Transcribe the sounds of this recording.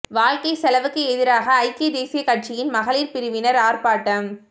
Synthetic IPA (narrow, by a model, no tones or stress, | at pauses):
ʋaːɻkɐɪsɛlɐʋɯkːɯɛðɪɾaːɣɐːɪkːɐd̪eːsɪjɐkɐʈ̚t͡ʃɪjɪnmɐɣɐliːɾpɪɾɯʋɪnɐɾaːrpaːʈːɐm